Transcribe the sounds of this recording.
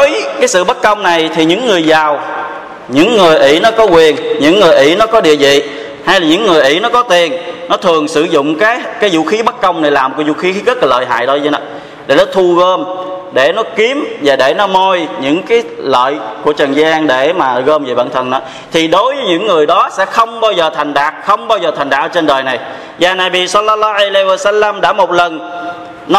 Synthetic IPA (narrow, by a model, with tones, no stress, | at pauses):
o˨˦jkaː˨˦jsɨ̰˧˨ɓaə˦˥t̚kːə˧wŋ͡mna˨˩jt̪ʰi˨˩ɲɨ̰˧˥ŋːɨ˨˩əjzaː˨˩w | ɲɨ̰˧˥ŋːɨ˨˩əjʔḭ˧˩nɔ˨˦kɔ˨˦kwi˨˩ənɲɨ̰˧˥ŋːɨ˨˩əjʔḭ˧˩nɔ˨˦kɔ˨˦ɗḭ˧˨əzḭ˧˨ | ha˧jlaː˨˩ɲɨ̰˧˥ŋːɨ˨˩əjʔḭ˧˥nɔ˨˦kɔ˨˦t̪i˨˩ənnɔ˨˦t̪ʰɨ˨˩əŋsɨ̰˧zʊ̰˧˨ŋ͡mkaː˨˦jkaː˨˦jzṵ˧˨xi˨˦ɓə˦˥t̚kːə˧wŋ͡mna˨˩jlaː˨˩mo˨˩kːzṵ˧˨xi˨˦xi˨˦ɣə˦˥t̚laː˨˩lə̰ː˧˨jɦa̰ː˧˨jɗo˧˦zə˧nɔ̰˨˦ | ɗḛ˧˩nɔ˨˦t̪ʰu˧ɣəː˧mɗe˧˩nɔ˨˦ki˨˦əmvaː˨˩ɗe˧˩nɔ˨˦mo˧jɲɨ̰˧˥ŋkaː˨˦jlə̰ː˧˨jku˧˩ət͡ɕə˨˩nzaː˧ŋɗe˧˩maː˨˩˨ɣəː˧mvi˨˩ɓa̰ː˧˨nt̪ʰə˨˩nːɔ˨˦ | t̪ʰi˨˩ɗo˨˦jvəː˨˦jɲɨ̰˧˥ŋːɨ˨˩əjɗɔ˨˦sɛ̰˧˥xə˧wŋ͡mɓaː˧wzəː˨˩t̪ʰa˨˩ŋ̟ɗaː˨˩k̚xə˧wŋ͡mɓaː˧wzəː˨˩t̪ʰŋ̟ɗa̰ː˨˩k̚ʔəː˧t͡ɕe˧nɗəː˨˩jna˨˩j | vaː˨˩naː˨˩ɓi˨˩sə˧lːə˧lːɔ˦wʔa˧jla˧ji˧waː˧˩sa˧lːa˧mɗa̰ː˧˥mo˨˩t̚lə˨˩n | nɔ˨